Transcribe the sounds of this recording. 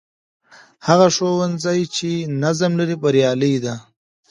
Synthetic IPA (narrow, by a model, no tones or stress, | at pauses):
haɣaʂowanzɑjt͡ʃenazamlaɾipəɾjɑːləjd̪a